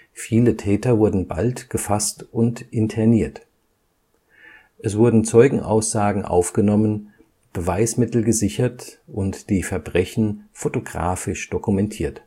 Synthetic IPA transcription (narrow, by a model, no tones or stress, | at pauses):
fiːlətʰɛːtɐvʊɐdn̩ba̰ltɡ̥əfastʔʊntʔɪntʰɛɐniːɐt | ʔɛsv̥ʊɐdn̩t͡sɔʏɡŋ̩ʔa̰ʊsz̥aːɡŋ̩ʔa̰ʊfɡ̥ənɔmən | b̥əvaɪsmɪtl̩ɡəzɪçɐtʔʊntd̥iːfɛɐbʁɛçn̩fotoɡʁa̰ːfɪʃd̥okumɛntʰiːɐt